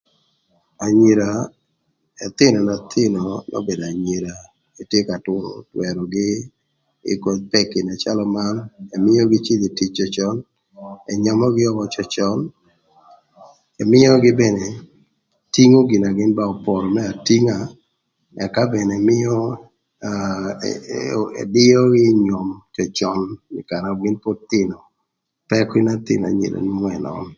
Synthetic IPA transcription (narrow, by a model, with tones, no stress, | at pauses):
a˨ɲi˨ɾa˨ | ɛ˨t̪ɪ˦nɔ˨na˨t̪ʰɪ˦nɔ˨nɔ̰˦be˨da˨ɲi˨ɾa˨ | e˨tje˦ka˨tʊ˦ɾʊ̰˨twɛ˨ɾɔ˨ɡɪ˦ | ɪ̰˦˨ko˨t͡ʃ̚pɛ˦kɪ˨na˨t͡ʃa˦lɔ˦ma˦nɛ˨mɪ˦jɔ˦ɡɪ˦t͡ʃi˦de˨ti˨t͡ʃːɔ˨t͡ʃɔ˦n | ɛ˨ɲɔ˦mɔ˦ɡɪ˦ɔ˦wɔ˦t͡ʃɔ˦t͡ʃɔ˦l | e˨mɪ˦jɔ˦ɡɪ˦be˨ne˨ | ti˦ŋo˦ɡɪ˨na˨ɡɪ˦nba˦ɔ˨pɔ˨ɾɔ˨mɛ˦a˨ti˦ŋa˨ | ɛ˨ka˦be˨ne˨mɪ˦ɔ˦ | ḛ˨dɪ˦ɔ˦ɡɪ˦ɲɔ˨mt͡ʃɔ˨t͡ʃɔ˦nɪ˨ka˨na˨ɡɪ˦npo˦t̪ɪ˦nɔ˨ | pɛ˦kwi˦na˦t̪ɪ̰˨na̰˨ɲḛ˨lo̰˨nu˦ɛ˨nɔ̰˨˦n